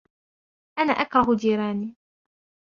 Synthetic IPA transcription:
ʔana̰ːʔakɾˤɑɦʊd͡ʒ̪iːɾɑːniː

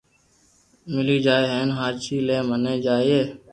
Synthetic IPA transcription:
mɪliːd͡ʒaːeːɦeːnɦaːɾt͡ʃiːleːməneːd͡ʒaːieː

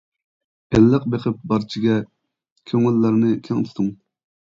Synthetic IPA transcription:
ɛlːəq̚beqʰɪp̚bɑɾt͡ʃʰiɡʲɛ | kʲʰøŋɪlːɑɾnɨkʲʰɛŋt̪ʰɪ̥t̪uŋ

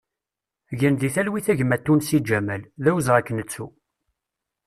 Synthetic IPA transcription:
ʝənðiθælwiθæʝmæt̪ːunsid͡ʒæmælðæwəzʁækːnət͡sːu

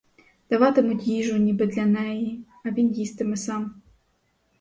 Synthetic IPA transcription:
d̪̥ɐʋɑt̪ɪmʊtʲjiʒʊnʲibɪd̪lʲɐnɛji | ɐʋʲinjist̪ɪmɛsɑm

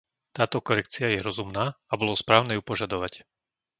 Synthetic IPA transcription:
t̪aːt̪ɔkɔɾɛk̚t͡siajɛɾɔzumnaːabɔlɔspɾaːʊnɛːjupɔʒad̪ɔʋac

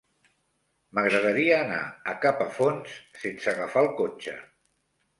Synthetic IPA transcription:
məɣɾəðəɾiəːna̰əkapəfonssensəɣəfalˠkot͡ʃə̰

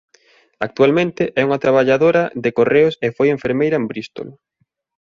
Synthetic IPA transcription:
ak̚t̪ualmẽnt̪ɪʔɛuŋat̪ɾaβaʎaðoɾɐðekoreʊsefojeɱfeɾmejɾɐembɾist̪o̰l

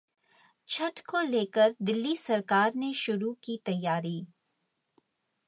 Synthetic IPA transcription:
t͡ʃʰɐʈkoleːkəɾd̪ɪlːisɐɾkaːɾneʃʊɾukit̪ɐjːaːɾiː

